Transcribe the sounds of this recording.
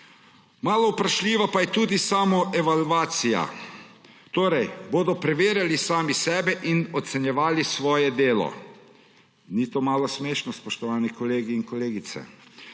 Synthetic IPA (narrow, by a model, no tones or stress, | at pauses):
maːlɔwpɾaʃlʲiːʋapajɛt̪uːd̪isaːmɔʔɛʋalʋaːt̪sija̰ | t̪oːɾɛjboːd̪ɔpɾɛʋeːɾjalisaːmisɛːbɛʔinɔt̪sɛnjɛʋaːlisʋɔːjɛd̪eːlɔ̰ | nit̪oːmaːlɔsmeːʃnɔspɔʃt̪ɔʋaːnɛkɔleːɡiːnkɔleːɡit̪sɛ̰